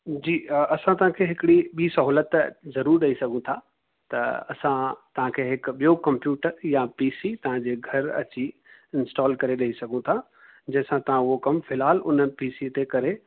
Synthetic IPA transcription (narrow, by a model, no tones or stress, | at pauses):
d͡ʑiːɐsãt̪ɐʋ̤ãkʰeːɦɪkɪɽiɓiːsɐɦuːlət̪zɐɾuːɾɗɐisɐɡʱũt̪ʰa | t̪ɐɐ̰sãt̪ɐʋ̤ãkʰeːɦɪkɓijokɐ̃mpjuːʈəɾjãpiːsit̪ɐʋ̤ãd͡ʑeːɡʱɐɾɐ̰t͡ɕi | ɪnsʈɔːlkɐɾeɗɐɦisɐɡʱũt̪ʰa | d͡ʑɐ̃ɦɪ̃sãt̪ɐʋ̤ãʊɦokɐmfɪlaːlʊnpiːsit̪ekɐɾe